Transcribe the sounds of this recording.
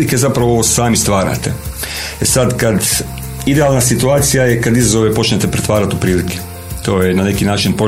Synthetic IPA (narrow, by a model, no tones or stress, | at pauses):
ike̞zapɾaʋo̞saːmist̪ʋaːɾa̰t̪e̞ | esad̪kad̪ | id̪e̞aːlnasit̪uaːt̪sijaje̞kad̪izazo̞ʋe̞po̞t͡ʃne̞t̪e̞pɾet̪ʋaːɾat̪upɾiːlike̥ | t̪o̞ːjenane̞kinaːt͡ʃinpo